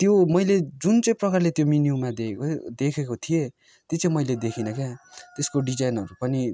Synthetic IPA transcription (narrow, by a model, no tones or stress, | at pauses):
t̪jomʌjled͡zunt͡sʌ̃prʌkarlet̪jominjumad̪ed̪ekʰekot̪ʰije | t̪jot͡sãĩmʌjled̪ekʰinʌkat̪eskoɖid͡zajnʌɾupʌni